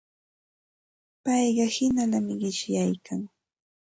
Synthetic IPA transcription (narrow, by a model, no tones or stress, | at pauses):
pɑjɢɑhɪnalamɪɢɪʃjajkʰaŋ